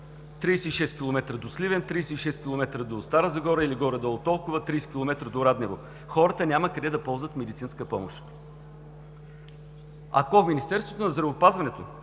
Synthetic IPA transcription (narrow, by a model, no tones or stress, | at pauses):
t̪ɾiːsɛiʃɛst̪kʲilˠomɛt̪ɾəd̪oslivɛnt̪ɾijsɛiʃɛskʲilˠomɛt̪ɾəd̪ost̪aɾəzɐɡɔɾəiliɡɔɾəd̪ɐot̪ɔlˠkʊvət̪ɾiːsɛ̥kʲilˠomɛt̪ɾəd̪oɾad̪nɛvo | xɔɾət̪ənʲaməkɐd̪ɛd̪ɐpɔlˠzvət̪mɛd̪it̪sinskəpɔmo̰ʃt̪ | a̰kominist̪ɛɾst̪vot̪onɐzd̪ɾɐvopazvɐnɛt̪o